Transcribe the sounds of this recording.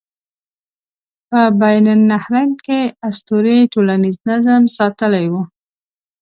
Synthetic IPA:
pəbajnanːahɾankeast̪oɾiʈolaniznazəmsɑt̪əlajwu

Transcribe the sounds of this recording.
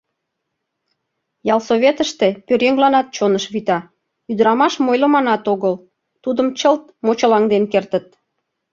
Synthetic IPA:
jɑlsoβet̪əʃt̪epøɾjeŋlɑnɑt̪̚t͡ɕonəʃβit̪ɑ | yd̪əɾɑmɑʃmojləmɑnɑt̪oɣəl | t̪ud̪əmt͡ɕəlt̪̚mot͡ɕəlɑŋd̪enkert̪ət̪̚

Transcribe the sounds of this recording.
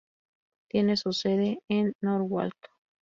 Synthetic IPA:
t̪jenesuseðeːnːoɾwa̰lt̪o̥

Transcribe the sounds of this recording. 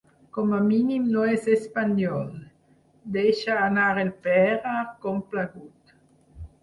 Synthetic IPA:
kɔmaminimnoɛsespanjɔl | d̪ejʃaːnaɾelpɛɾakɔmplaɡut̪

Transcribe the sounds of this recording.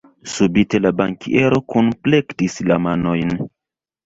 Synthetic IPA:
subite̞labaŋkḭʔe̞ɾo̞kunplektislamanojn

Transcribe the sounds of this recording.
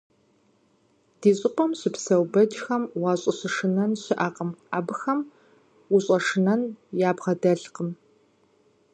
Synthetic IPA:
d̥iːɕʼɪqʷɔmɕɪpsɐwbɐd͡ʒxɐmwɑːɕʼɪɕɪʂɨnɐnɕɪʔɐqʼəmaːbɨxɐm | ʊɕʼɐʂɨnɐnjaːbʁɐdɐɬqəm

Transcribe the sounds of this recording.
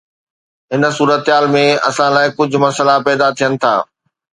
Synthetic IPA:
ɦɪn̆suːɾət̪ɦaːlmẽɐ̰sãlaːɪkʊd͡ʑʱʊ̆mɐsəlapɛːd̪at̪ʰijənɪ̆t̪ʰa̰ː

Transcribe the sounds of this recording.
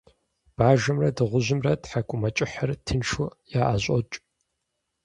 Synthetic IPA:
b̥aːʒɐmrɐdɨʁʷʊʑɪmrɐtħakʷʼʊmɐt͡ʃʼɪħɐrtʰɨnʂʊjaːʔaːɕʼɔ̰t͡ʃʼ

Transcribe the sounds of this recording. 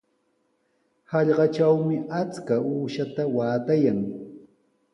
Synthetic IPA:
hɑʎɢɑt͡ʃawmɪʔat͡skauːʃat̪awaːt̪ajaŋ

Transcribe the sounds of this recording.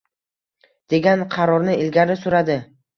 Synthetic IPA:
d̪̥e̞ɡʲanqʰɑɾɒɾnɪɪlɡʲaɾɪsʊɾad̪ɪ

